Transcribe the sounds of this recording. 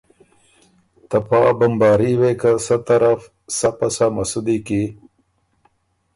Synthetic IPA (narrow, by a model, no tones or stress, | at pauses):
t̪apɑːbɐmbɑːɾiwekasat̪ɐɾaf | sapasamasud̪iki